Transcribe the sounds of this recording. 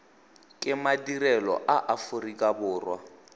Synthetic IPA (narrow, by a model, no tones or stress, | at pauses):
kʼɪmadirɛlɔ̰ʔaʔafʊrikʼabʊːrwa̰